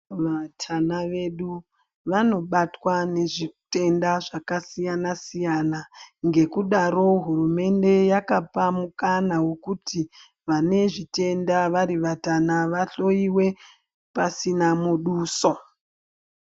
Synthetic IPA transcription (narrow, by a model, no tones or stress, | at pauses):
ʋatʰanaʋe̞ɗu | ʋano̞ɓatwane̞ʐite̞ndaʐakasijanasijanaŋɡe̞kuɗaɾo̞ɦurume̞nde̞jakapamukanawe̞kutʰi | ʋane̞ʐite̞ndaʋaɾiʋatanaʋaɬo̞iwe̞ | pasinamuɗuːso̞